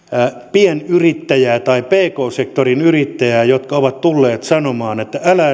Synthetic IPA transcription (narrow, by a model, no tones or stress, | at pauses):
pienyrit̪ːæjæːt̪ɑipeːkoːsekt̪orinyrit̪ːæjæːjot̪kɑoʋɑt̪t̪ulːeːt̪sɑnomɑːnet̪ːæælæː